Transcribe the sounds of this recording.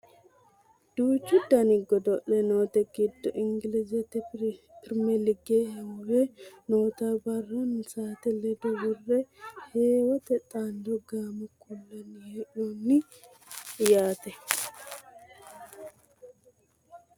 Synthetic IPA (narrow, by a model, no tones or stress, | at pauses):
d̪̥uːt͡ʃːʊd̪ɐnɪɡːɔd̪ɔʔɛnoːt̪ɛɡɪd̪ːɔʔɪŋɡɪlɪzɛt̪ːɛpɪɾmɛlɪɡehɛwɔwɛnoːt̪aːbɐrːɐnsaːt̪ɛlɛd̪ɔwɔrːɛheːwɐt̪ɛt̪ʼaːnd̪ɔɡaːmɐkʰʊlːɐnɪhɛʔonːɪ | jaːt̪ɛ